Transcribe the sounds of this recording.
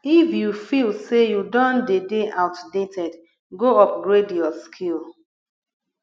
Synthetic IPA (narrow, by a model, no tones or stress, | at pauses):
ifjufilsejudɔ̃ndedeʔaʊtdetɛd | ɡoɔp̚ɡɹediɔskʰil